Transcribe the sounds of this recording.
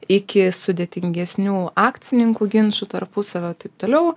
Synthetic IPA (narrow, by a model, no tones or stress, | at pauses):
ɪkʲɪsʊd̪ʲeːt̪ʲɪŋʲɡʲɛsʲnʲuːɑːkt̪sʲɪnʲɪŋkuɡʲɪnʃut̪ɐrpʊsɐʋʲoːt̪ɐɪp̚t̪oːlʲɛʊ